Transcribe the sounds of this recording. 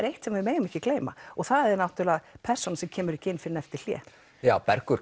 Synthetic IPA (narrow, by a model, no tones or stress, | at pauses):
ɾejht̪sɛmaɪmeːjɣʏmɛhcːɪkleːjma̰ɔɣθaðɛɾnawt̪ʏlapʰɛr̥sɔnasɛmcʰɛːmʏɾɛhcːɪɪnfɪɾɪnɛft̪ɪl̥jɛ̰ː | jaːwpɛɾkʏɾ